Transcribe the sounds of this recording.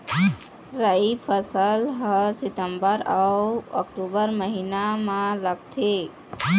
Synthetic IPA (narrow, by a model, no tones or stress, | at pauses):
ɾaipʰəsəlɦəsɪt̪əmbəɾaə̰kʈubəɾməɦinamãləɡ̚t̪ʰe